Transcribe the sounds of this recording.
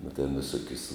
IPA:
nʊ tʲɛn ʋʲɪˈsoːkʲʊs

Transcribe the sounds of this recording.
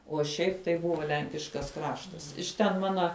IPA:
uɔ ˈʃʲɛɪp tɐɪ ˈbʊʋoː ˈlʲɛŋʲkʲɪʃkɐs ˈkrɑːʃtɐs ɪʃ tʲɛn ˈmɑːnɐ

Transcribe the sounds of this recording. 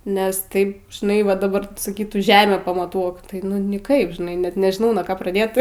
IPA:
nʲɛs ˈtɐɪp ʒʲɪˈnɐɪ ʋɐ dɐˈbɐr sɐˈkʲiːtuː ˈʒʲæːmʲæː pɐmɐˈtuɔk tɐɪ nʊ nʲɪˈkɐɪp ʒʲɪˈnɐɪ nʲɛt nʲɛʒʲɪˈnɐʊ nuɔ ˈkoː prɐˈdʲeːt

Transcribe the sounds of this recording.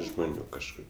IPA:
ʒmoːˈnʲuː kɐʃˈkʊr

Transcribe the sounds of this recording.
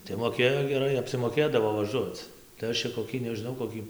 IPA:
tɐɪ moːˈkʲeːjoː ɡʲɛˈrɐɪ ɐpʲsʲɪmoːˈkʲeːdɐʋoː ʋɐˈʒuɔt͡s tɐɪ ˈɐʃ t͡ʃʲɛ koːˈkʲiː nʲɛʒʲɪˈnɐʊ koːˈkʲiː

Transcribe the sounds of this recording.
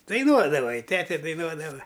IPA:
dɐɪˈnuɔdɐʋɐ ɪ ˈtʲæːtʲɛ dɐɪˈnuɔdɐʋɐ

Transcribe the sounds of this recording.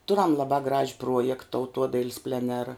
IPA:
ˈtʊrɐm lˠɐˈbɑː ɡrɐʃʲ ˈpruɔjɛkt tɐʊˈtuɔdɐɪlʲsʲ pʲlʲɛˈnʲæːrɐ

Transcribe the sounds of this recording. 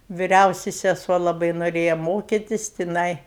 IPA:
ʋʲɪˈrʲɛʊsʲɪ sʲɛˈsuɔ lˠɐˈbɐɪ noːˈrʲeːjɛ ˈmoːkʲɪtʲɪs tʲɪˈnɐɪ

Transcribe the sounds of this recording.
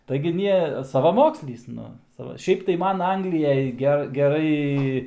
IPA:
tɐɪɡʲɪ ˈnʲiɛ sɐʋɐˈmoːksʲlʲiːs ˈnʊ ˈsɑːʋɐ ˈʃʲɛɪp tɐɪ ˈmɐn ˈɐŋɡlʲɪˈjɛj ˈɡʲɛ ɡʲɛˈrɐɪ

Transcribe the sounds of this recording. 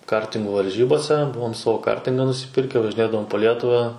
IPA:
ˈkɐrʲtʲɪŋɡʊ ʋɐrʲˈʒʲiːboːsʲɛ ˈbʊʋoːm ˈsɑːʋoː ˈkɐrʲtʲɪŋɡɑː nʊsʲɪˈpʲɪrʲkʲæː ʋɐʒʲɪˈnʲeːdɐʋoːm poː ˈlʲiɛtʊʋɑː

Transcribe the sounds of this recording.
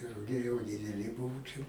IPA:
rʊˈɡʲɛɪ jɛʊ dʲɪdʲɛˈlʲɪ ˈbʊʋʊ ˈt͡ʃʲɛ

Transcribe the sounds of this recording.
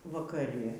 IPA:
ʋɐkɐˈrʲɪ

